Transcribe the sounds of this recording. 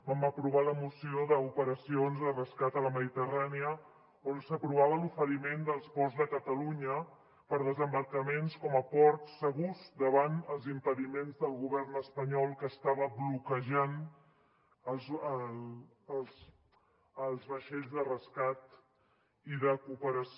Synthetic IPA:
əmbapɾuβaləmusioðəupəɾəsionzðərəskat̪ələməðit̪əraniə | onsəpɾuβaβəlufəɾimend̪əlˠzβɔzðəkət̪əluɲə | pəɾðəzəmbəɾkəmenskɔməpɔɾt̪sːəɣuzd̪əβanəlˠzimpəðimenzðəlˠɣuβɛrnəspəɲɔlˠkəst̪aβəβlukəʒan | əlzə | s | əlˠzβəʃɛʎzðərəskat̪ | iðəkupəɾə

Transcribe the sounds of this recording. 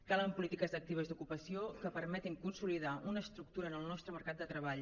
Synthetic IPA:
kaləmpulit̪ikəzd̪ək̚t̪iβ̞əzd̪ukupəsiokəpəɾmɛt̪iŋkunsuliðaunəːst̪ɾuk̚t̪uɾəːnəlˠnɔst̪ɾəməɾkat̪̚d̪ət̪ɾəβaʎ

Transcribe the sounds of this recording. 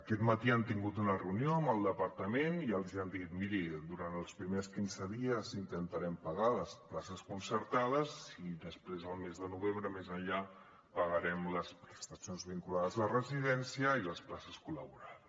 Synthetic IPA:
əkɛt̪mət̪iant̪iŋɡut̪unərəunjoəmbəlˠd̪əpəɾt̪əmeniəlˠziand̪it̪miɾid̪uɾant̪əlˠspɾimeskinzəðiəzint̪ənt̪əɾɛmpəɣaləsplasəskunsəɾt̪aðəziðəspɾezəlˠmezðənuβ̞embɾəmezəɲʎa | pəɣəɾɛmləspɾəst̪əsionzβiŋkulaðəzlərəziðɛnsiəiləsplasəskulə̰βuɾað

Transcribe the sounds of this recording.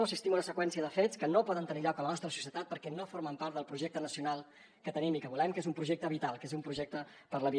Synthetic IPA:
oəsist̪imunəsəkwɛnsiəðəfetskənopɔðənt̪əniʎɔkələnɔst̪ɾəsu̥siət̪at̪̚pəɾkɛnofoɾməmpaɾt̪d̪ðəlˠpɾuʒɛk̚t̪ənəsiunalˠ | kət̪ənimikəβulɛmkezumpɾuʒek̚t̪əβit̪alˠkezumpɾuʒɛk̚t̪ə | pəɾləβi

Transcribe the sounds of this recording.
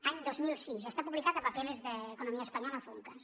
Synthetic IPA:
aɲd̪ozmilsis̬est̪apuβlikaðepapelezðeːkonomiaespaɲɔlɐafuŋkas

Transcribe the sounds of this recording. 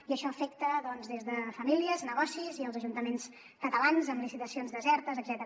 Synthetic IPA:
iəʃɔəfɛk̚t̪əðɔnzðezðəfəmiliəznəɣɔsiziəlˠzəʒunt̪əmens | kət̪əlanzəmlisit̪əsionzðəzɛɾt̪əzəɡzɛt̪əɾ

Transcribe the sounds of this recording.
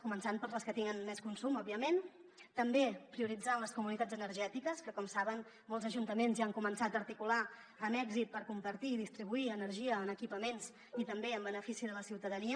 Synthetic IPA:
kumənsanpəɾləskət̪iŋɡənmɛskunsumɔbiəment̪əmbepɾiuɾid͡zanləskumunit̪ad͡zənəɾʒɛt̪ikəskəkɔmsaβən | mɔlˠzəʒunt̪əmenzaŋkumənsat̪əːɾt̪ikula | ənɛɡzit̪̚pəɾkumpəɾt̪iːðist̪ɾiβuiənəɾʒiəːnəkipəmenz | it̪əmbeəmbənəfisiðələsiwt̪əðəniə

